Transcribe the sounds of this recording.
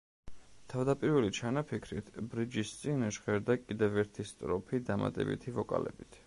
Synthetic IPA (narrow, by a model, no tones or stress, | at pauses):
t̪ʰavd̪apʼiɾvɛlit͡ʃʰanapʰikʰɾit̪ʰbɾid͡ʒist̪sʼinɛʃʁɛɾd̪akʼid̪ɛvɛɾt̪ʰist̪ʼɾɔpʰid̪ama̰t̪ʼɛ̰bḭt̪ʰivɔkʼa̰lɛ̰bit̪ʰ